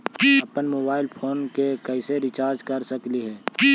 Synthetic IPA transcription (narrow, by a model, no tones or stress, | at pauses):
ɐpənmoːbaːɪlpʰoːnkekɛɪseɾɪt͡ʃaːɾd͡ʒkɐɾsəkliɦɛː